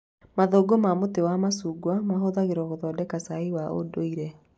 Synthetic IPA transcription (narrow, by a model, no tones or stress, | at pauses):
maðoːɡomamotewamasuːɡwamaɦoðaɣeɾwɔɣoðɔːdɛkasaiwao̰doiɾɛ